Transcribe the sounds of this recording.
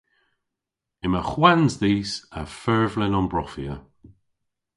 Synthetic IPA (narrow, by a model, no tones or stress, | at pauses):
ɪməxwanzdiːsəfɜɹvlɪnɔnbɹɔfiə